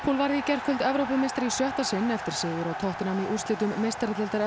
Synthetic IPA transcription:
pʰulvaɾðɪicɛr̥kʰʏlt̪ɛvɾowpʏmejst̪aɾisjœht̪asɪnːɛft̪ɪɾ̥sɪːðʏɾawt̪ʰɔht̪ɪnaniʔur̥st̪lɪːt̪ʏmːejst̪aɾat̪ɛlt̪aɾɛ

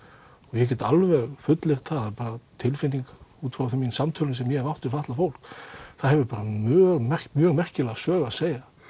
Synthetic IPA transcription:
ɔjɛc̬ɛːt̪alvɛɣfʏt̪lɪɾ̥t̪ʰaðaðpaːɾat̪ʰɪlfɪnt̪ːiŋkuːt̪fɾawθɛmːinsamt̪ʰœːlɪnsɛmjɛɛɾvawht̪ʏɾfaht̪lafowl̥kθaðhɦɛvʏpaːɾamœːɣmɛ̥mjœːɣmɛr̥cɪlaɣsœːɣaseːja

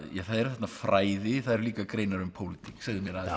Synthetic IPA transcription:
jaθaðɛɾ̥θɛt̪nafɾaːjðɪθaðɛɾliːkakɾeːjnaɾʏmpʰowlɪt̪ʰi̥ksaɣðɪmjɛɾað

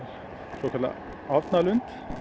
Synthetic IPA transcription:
soːkʰɑlːɑ̰ | ɑːʋt̪nɑːlʉnt̪

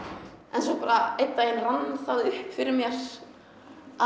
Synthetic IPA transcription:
ʔɛnsɔpaɾaejt̪ːaɛnranːθaðʏhpfɪɾɪɾmjɛɾ̥ | a

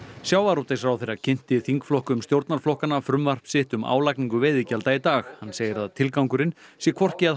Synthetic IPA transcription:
sjaːwvaɾot̪esɾawθejrːacʰɪn̥t̪ɪθiŋkflɔhkʏmst̪jowɾt̪naɾ̥flɔhkanafɾʏmvar̥psɪht̪ʏmʔa̰ːwlajkniŋkʏvɪːðicalt̪ajɪt̪aːxhanːseːjɪɾaðt̪ʰɪlkawŋkʏɾɪn | sjɛkʰvɔr̥cɪað

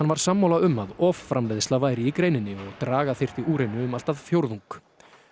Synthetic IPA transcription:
hanːvaɾ̥samːawlaʏmaðɔffɾamleðst̪avaːjɾɪikɾeːjnɪnːɪɔɣt̪ɾaːɣaθejr̥t̪iuːɾejnʏʏmal̥t̪aðfjowɾðuŋk

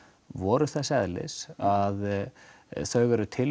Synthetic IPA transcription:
vɔːɾʏθasɛðlɪ̰sað | θœːɥɣɛɾʏt̪ʰɪl

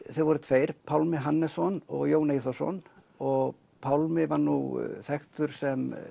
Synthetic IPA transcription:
θɛvɔɾʏt̪ʰveːjɾ̥pʰawlmɪɦanːɛsɔnɔ̰ɣjoːwnejθɔsɔ̰n | ɔɣ | pʰawlmɪvaɾnuθɛxt̪ʏɾ̥sɛm

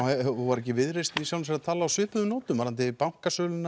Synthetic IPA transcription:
uvaɾɛcɪvɪðɾest̪nisawlas̬ɛɾat̪ʰaːlaawsʏːpʏðʏmnoːwt̪ʏmvaɾant̪ɪpaŋ̥kasœːlʏna

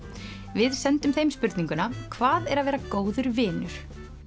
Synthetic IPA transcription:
vɪðsɛnt̪ʏmθejmspʏɾt̪niŋkʏnakʰvaːðɛɾaðvɛːɾakoːwðʏɾvɪːnʏɾ̥

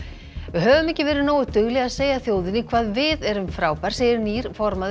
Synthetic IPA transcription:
vɪɦœːvʏmɛhcːɪvɛːɾɪnoːwʏt̪ʏɣlɛɣaðseːjaθjoːwðɪnːɪkʰvaːðvɪðɛɾʏmfɾaːwpaɾ̥sejɪɾniːɾ̥fɔɾmað

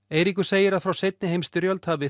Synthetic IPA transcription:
eːjɾikʏseːjɪɾaðfɾawsejt̪̚nɪɦejmst̪ʏɾjœlt̪haːvɪ

